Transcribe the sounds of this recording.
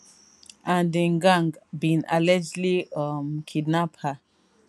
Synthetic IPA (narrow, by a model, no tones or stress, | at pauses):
ãndĩŋɡãŋɡbĩna̰lɛd͡ʒliʌmkʰidnaphə